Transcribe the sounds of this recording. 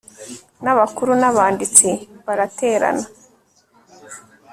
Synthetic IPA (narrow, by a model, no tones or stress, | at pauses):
naβakuɾunaβaːndit͡siβaɾatʰe̞ːɾa̰na